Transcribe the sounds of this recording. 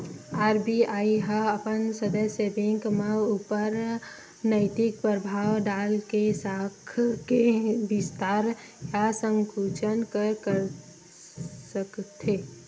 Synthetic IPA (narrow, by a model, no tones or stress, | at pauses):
aːɾbiaːiɦãɐpənsəd̪əsəbẽŋkmeuːpəɾ | nəɪt̪ɪk̚pɾəbʱaːʋɖaːlkesaːkʰkebɪst̪aːɾ | jasə̃ŋkuːt͡ʃənkəɾkəɾ | səkt̪ʰe